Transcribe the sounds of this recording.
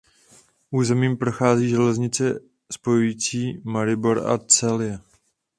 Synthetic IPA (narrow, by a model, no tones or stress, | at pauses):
ʔuːzɛmiːmpɾo̞xaːziːʒɛlɛzɲɪt͡sɛ | spo̞jujiːt͡siːmaɾɪboɾa̰t͡sɛlɪjɛ